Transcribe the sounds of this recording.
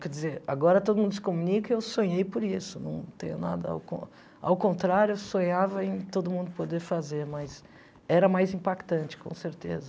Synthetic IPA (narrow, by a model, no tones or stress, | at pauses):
kɛd͡ʒizeɾaɡɔɾɐt̪od̪ʊmũnd̪ʊsɪ̥komunikɐewsõɲejpoɾisʊnɐ̰̃w̃t̪ḛ̃jɲʊnad̪ɐa̰wkõ̰ | a̰wkõnt̪ɾaɾjʊewsõɲavɐẽj̃t̪od̪ʊmũnd̪ʊpod̪eɾfazeɾmɐz | ɛɾɐmajzĩpakt̪ɐ̃nt͡ʃɪ̥kõ̰w̃seɾt̪ḛzɐ